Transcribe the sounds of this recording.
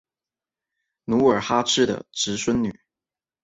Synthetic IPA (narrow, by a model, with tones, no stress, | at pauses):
nu˧˥ə˞˨˩xa˥ʈ͡ʂʰɻ̩˥˩d̪ə̰˩ʈ͡ʂɻ̩˧˥swə˥nny̰˨˩˦